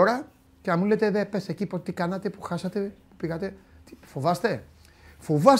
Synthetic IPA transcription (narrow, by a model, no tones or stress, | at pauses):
oɾɐ | ceɐmulet̪e̞ðe̞pe̞secipot̪ikɐnɐt̪e̞puxɐsɐt̪e̞pu̥piɣɐt̪e̞t̪i̥fovɐst̪e̞ | fovɐs